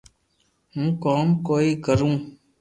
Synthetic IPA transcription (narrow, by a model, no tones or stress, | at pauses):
ɦũːkoːmkoːiːkəɾũː